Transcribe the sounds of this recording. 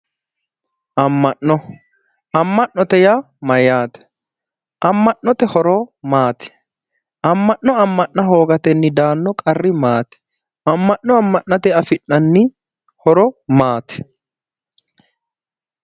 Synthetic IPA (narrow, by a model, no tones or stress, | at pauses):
ʔɐmːɐʔːɔ | ɐmːɐʔɔt̪ɛja | mɐjaːt̪ɛ̥ | ʔɐmːɐʔːɔt̪ɛhɔɾɔːmaːt̪ɛ̥ | ʔɐmːɐʔːɔɐmːɐʔːɐɦo̞ːɡɐt̪ɛnːɪd̪aːnːɔkʼɐrːɪmaːt̪ɛ̥ | ɐmːɐʔːɔɐmːɐʔːɐt̪ɛɐfɪnːɐnːɪ | hɔɾɔmaːt̪ɛ̥